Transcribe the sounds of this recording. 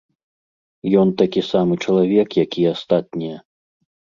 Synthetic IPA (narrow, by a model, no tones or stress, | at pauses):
jɔnt̪akʲisamɨt͡ʂɐlˠavʲɛkjakʲiast̪at̪̚ʲnʲijɐ